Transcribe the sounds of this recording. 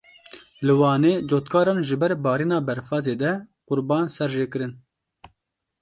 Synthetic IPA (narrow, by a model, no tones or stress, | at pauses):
lɨwɑːneːd͡ʒoːt̪kʰɑːɾɑːnʒɨbɛɾbɑːɾiːnɑːbɛɾfɑːzeːd̪ɛqʊɾbɑːnsɛɾʒeːkɨɾɨn